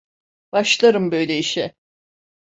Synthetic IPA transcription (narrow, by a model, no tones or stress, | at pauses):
b̥aʃlˠaɾɯmbø̞jlʲeiʃɛ